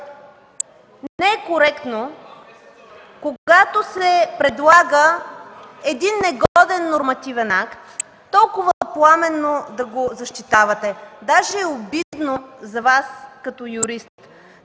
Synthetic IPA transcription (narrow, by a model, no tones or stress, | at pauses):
nɛɛkoɾɛkt̪no | koɡat̪osɛpɾɛd̪lˠaɡə | ɛd̪inːɛɡɔd̪ɛnːoɾmɐt̪ivɛnakt̪ː | ɔlˠkʊvəplˠamɛnːod̪ɐɡozɐʃt̪it̪avɐt̪ɛd̪aʒɛːobid̪nozɐvaskɐt̪ɔjuɾist̪